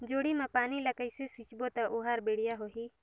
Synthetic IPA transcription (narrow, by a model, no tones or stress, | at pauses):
d͡ʒoːɽimãpaːnilɐkəjsesit͡ʃbot̪aʔuɦaːɾbeɽ̤ijaɦoɦiː